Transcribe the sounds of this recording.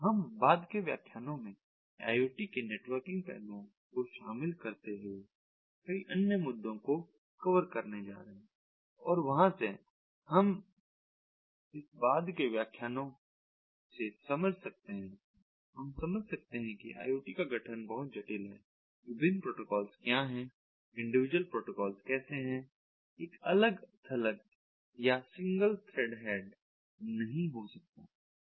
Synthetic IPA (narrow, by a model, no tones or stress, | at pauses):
ɦɐmbaːd̪keʋja̰ːkʰjaːnõmẽ | a̰ːjoːʈikeneːʈʋəɾkɪ̃ŋɡ̚pɛ̰ːlõ | koʃaːmɪlkɐɾt̪eɦe | kɐiʔɐnjəmʊd̪ʱːõko | kɐʋəɾkɐɾned͡ʒa̰ːɾɐɦɛ̃ | ɔːɾʋɐɦãse | hɐm | ɪsbaːd̪keʋjaːkʰjaːnõ | sesɐməd͡ʒʱsɐk̚t̪eɦɛ̃ | ɦɐmsɐməd͡ʒʱsɐk̚t̪eɦɛ̃kḭʔa̰ːjoːʈikaɡʱɐʈʰənbɐɦʊt̪̚d͡ʒɐʈɪlɦɛ̰ː | ʋɪbɪnpɾoːʈokɔːlskjaɦɛ̃ | ɪ̃ɳɖɪʋɪd͡ʒwəlpɾoːʈokɔːlskɛːseɦɛ̃ | eːkɐləɡt̪ʰɐlək̚ | jasɪ̃ŋɡəlt̪ʰɾeːɖɦɛːɖ | nɐɦĩɦosɐk̚t̪a̰ː